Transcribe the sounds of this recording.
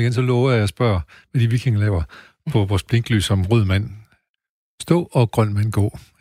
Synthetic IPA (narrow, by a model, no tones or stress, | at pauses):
iɡensɒ̽lɔːʊjɑsb̥ɶɐ̰ | ʋæd̥iʋikʰeŋlɛːʊɐ | pʰɒ̽ʋɒːsb̥le̝ŋɡ̥ly̰ːsɒ̽mʁoð̰ˠmæn̰ | sd̥ɔ̰ːɒ̽ɡ̥ʁɶn̰mænɡ̥ɒ̰ː